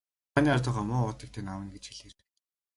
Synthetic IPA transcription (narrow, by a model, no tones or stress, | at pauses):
aniːart̪ʊːʁaːmʊːʊːt̪ĭːk̚t̪ʰeːnawə̆nɡet͡ɕxiɮert̪ɘ̥̆k